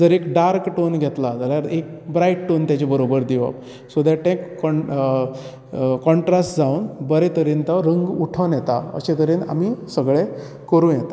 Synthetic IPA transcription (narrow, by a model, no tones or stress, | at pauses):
d͡zəɾekɖaɾkʈonɡʱet̪lad͡zaljaɾek̚bɾajʈʈont̪jat͡ɕebəɾobəɾd̪iʋa̰p | sod̪aʈẽkːɔ | kɔɳʈɾasʈd͡zaunbəɾet̪əɾiːnt̪əɾəŋɡuʈʰənjet̪a̰ə̰set̪əɾiːna̰misəɡɭe | kəɾũːnjet̪a